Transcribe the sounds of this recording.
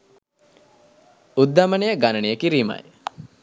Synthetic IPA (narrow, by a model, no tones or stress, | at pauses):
ud̪ːamənejəɡanənijəkiɾiːma̰j